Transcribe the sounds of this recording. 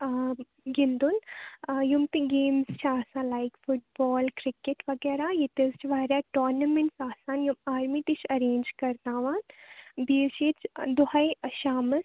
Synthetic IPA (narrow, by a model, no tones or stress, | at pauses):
ɡɪnd̪unjumt̪iɡeːmzt͡ʃʰaːsãːnlaːikfʰʊʈ̚bɔːlkɾɪkeʈʋɐɡɛːɾajit̪ist͡ʃʰʋaɾaʈoːɾnɐmẽɳʈsaːsaːnjumaːɾmit̪it͡ʃʰɐɾeːnd͡ʒkɐɾt̪aːʋaːnbiːʃit͡ʃd̪ʊhajʃaːmɐs